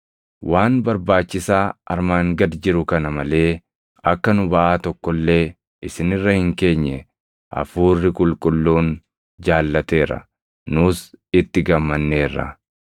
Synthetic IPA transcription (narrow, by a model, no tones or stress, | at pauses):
wʔaːnbɐɾbaːt͡ʃːɪsaːʔɐ̰ɾmaːŋɡɐd̪d͡ʒɪɾʊkɐnɐmɐle̞ː | ɐkːɐnʊbɐʔaːt̪ɔkːɔlːe̞ː | ʔɪsɪnɪrːɐhɪŋke̞ːɲːɛ | ʔɐ̰fuːrːɪkʼʊlkʼʊlːuːn | d͡ʒaːlːɐt̪e̞ːɾɐ̰ | nʊsɪt̪ːɪɡɐmːɐnːe̞ːrːɐ̰